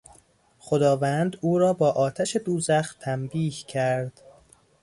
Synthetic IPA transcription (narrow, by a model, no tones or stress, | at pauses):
χod̪ɒːvænd̪uːɾɒːbɒːʔɒːt̪ʰæʃed̪uːzæχtt̪ʰːæmbiːhcʰæɾd̪̥